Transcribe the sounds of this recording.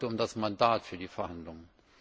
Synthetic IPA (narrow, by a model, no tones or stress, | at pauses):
təʊmdasmandaːtfyːɐdiːfɛɐhandlʊŋən